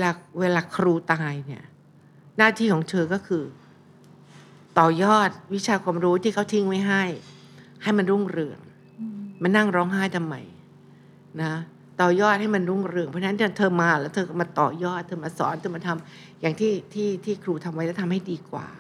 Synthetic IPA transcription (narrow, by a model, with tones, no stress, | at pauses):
weː˧laː˧weː˧laː˧kʰɾuː˧t̪aː˧jni˥˩ɐ | naː˥˩t̪ʰiː˥˩kʰɔː˩˦ŋt̪ʰɤː˧kɔː˥˩kʰɯː˧ | t̪ɔː˨˩jɔː˥˩t̪̚wi˦˥t͡ɕʰaː˧kʰwaː˧mɾuː˦˥t̪ʰiː˥˩kʰa˥˩wt̪ʰi˧˥˩ŋma˥˩jɦa˥˩j | ha˥˩jma˧nɾu˥˩ŋɾɯ˧əŋ | ma˧nːa˥˩ŋɾɔː˦˥ŋɦaː˥˩jt̪ʰa˧mːa̰˨˩j | na˦˥ | t̪ɔː˨˩jɔː˥˩t̪̚ha˥˩jma˧nɾu˥˩ŋɾɯ˧əŋpʰɔ˦˥˧na˥t̪ʰːa˧˥t̪ʰɤː˧maː˧lɛː˦˥wt̪ʰɤː˧kɔ˥˩ma˧t̪ɔː˨˩jɔː˥˩t̪ʰɤː˧maː˧sɔ̰ː˩˦nt̪ʰɤː˧ma˧nt̪ʰa˧m | jaː˨˩ŋt̪ʰiː˥˩t̪ʰiː˥˩t̪ʰiː˥˩kʰɾuː˧t̪ʰa˧mwa˦jlːt̪ʰa˧mha˥˩jdiː˧kwa̰ː˨˩